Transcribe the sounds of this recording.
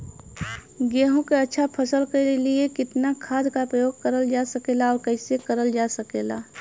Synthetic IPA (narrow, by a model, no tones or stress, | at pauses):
ɡeːɦõkeətːʃʰapʰəsəlkeliekɪt̪nakʰaːd̪kapɾəjoːɡ̚kəɾəld͡ʒasəkeːlaɔːɾkəɪsekəɾəld͡ʒasəkeːlaː